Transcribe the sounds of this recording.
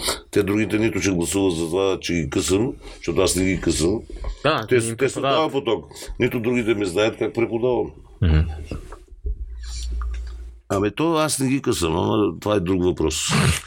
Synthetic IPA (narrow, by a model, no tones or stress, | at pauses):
t̪ɛd̪ɾuɡit̪ɛnit̪ʊt͡ʃɛɡlˠɐsuvət̪zɐt̪ovat͡ʃɛɡikəsəmʃt̪ɔt̪ʊasnɛɡikəsəmd̪at̪ɛt̪ɛsod̪avɐpot̪ɔknit̪ʊd̪ɾuɡit̪ɛmiznaət̪kak̚pɾɛpʊd̪avɐm | ɐmit̪ɔasnɛɡʲikəsəmɐ̰mɐt̪ovaɛd̪ɾukvɐpɾɔs